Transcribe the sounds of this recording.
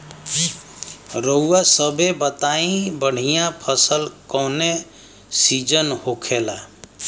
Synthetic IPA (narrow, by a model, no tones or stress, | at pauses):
ɾəːasəbʱebət̪aĩbəɽ̤ijãpʰəsəlkɔne | sid͡ʒənhokʰela